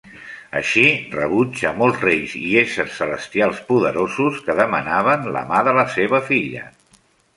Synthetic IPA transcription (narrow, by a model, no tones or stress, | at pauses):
ə̰ʃirəβud͡ʒəmɔlˠzrejziesəɾsːələst̪ialˠspuðəɾozuskəðəmənaβənlə̰maðələseβ̞əfiʎə̰